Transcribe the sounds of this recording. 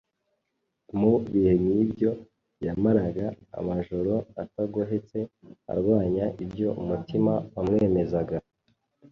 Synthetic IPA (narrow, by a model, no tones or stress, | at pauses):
muβihe̞mɲibjo̞ | jamaɾaɡa̰ː | maʒo̞ɾo̞ataɡoɦet͡se̞a̰ɾɡwaːɲaʔibjo̞ʔumutimawamŋe̞ːme̞zaɡa